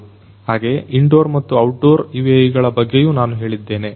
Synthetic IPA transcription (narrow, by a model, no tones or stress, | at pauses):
haːɡe̞ʔiɳɖo̞ːɾmɐt̪ːuɐwʈɖo̞ːɾiʋejiɡɐɭɐbɐɡːe̞juːnaːnuɦe̞ːɭid̪ːe̞ːne̞